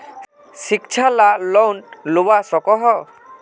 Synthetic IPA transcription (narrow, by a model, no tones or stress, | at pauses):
sik̚t͡ʃʰalalɔwnʈluwasɔkɔɦɔ